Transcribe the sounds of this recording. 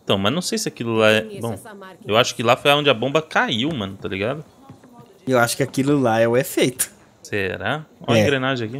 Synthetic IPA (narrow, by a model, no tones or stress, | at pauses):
ẽt̪ɐ̃w̃mɐznɐ̃w̃sejsɪakilʊlaɛbõw̃ewaʃʊ̥kɪlafojaõd͡ʒɪabõmbɐkaiwmɐ̃nʊt̪aliɡad̪ʊ | ewaʃʊ̥kɪakilʊlaɛʊɛfejt̪ʊ̥ | seɾao̰ẽɡɾenaʒẽaki